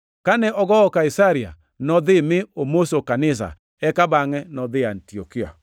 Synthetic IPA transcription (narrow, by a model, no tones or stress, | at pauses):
kanɛʔɔɣɔɔkaisaɾia̰ | nɔðemeomosokanɪs̬a̰ | ɛkabaŋɛnɔðeantiɔkia̰